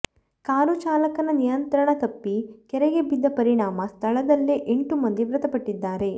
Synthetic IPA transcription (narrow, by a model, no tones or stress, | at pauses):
kaːɾut͡ʃaːlɐkɐnɐnijɐnt̪ɐɾɐɳɐt̪ɐpːikɛɾɛɡebid̪ːɐpɐɾiɳaːmɐst̪ʰɐɭɐd̪ɐlːiʔeɳʈumɐnd̪iʋɾɐt̪ɐpɐʈːid̪ːaːɾe̞